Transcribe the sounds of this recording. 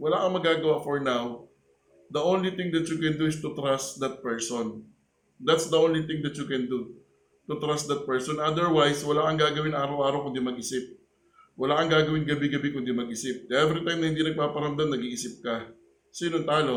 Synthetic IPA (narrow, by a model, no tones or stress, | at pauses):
wɐlaːkɐŋmɐɡaːɡɐwaʔfɔɹnaw | d̪ɐʔownlit̪ɪ̃ŋd̪ɐt̪jʊkɛnd̪uɪst̪ʊt̪ɾast̪d̪ɐt̪̚pɛɹson | d̪at̪sd̪ɐʔownlit̪ɪ̃ŋd̪ɐt̪jʊkɛnd̪u | t̪ʊt̪ɾast̪̚d̪ɐt̪̚pɛɹsonʔad̪ɛɹwajswɐlakɐŋɡaːɡɐwɪnʔaːɾɐwʔaːɾɐwkʊnd̪imɐɡʔɪsɪp̚ | wɐlaːkɐŋɡaːɡɐwɪnɡɐbɪɡɐbɪkʊnd̪imɐɡ̚ʔɪsɪp̚d̪ɛvɾɪt̪ajmɐhɪnd̪inɐɡ̚paːpɐɾɐmd̪anɐɡiːʔɪsɪp̚kɐ | siːnont̪aːlo̞